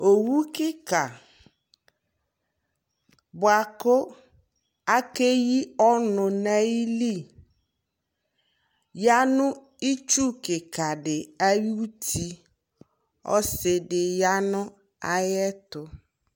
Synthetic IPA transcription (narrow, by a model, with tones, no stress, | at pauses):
o˨wu˦kɪ˦ka˨ | bʊ˨a˨kʊ˦ | a˦ke˦ji˦ɔ˦nʊ˨na˦ji˦li˦˨ | ja˦nʊ̃˦ | i˦t͡ʃu˦kɪ˨ka˨dɪ˨a˦ɥi˦u˦tʰi˦ | ɔ̰˦sɪ˨dɪ˨ja˦nʊ̃˦ | a˦jɛ˦tʊ˨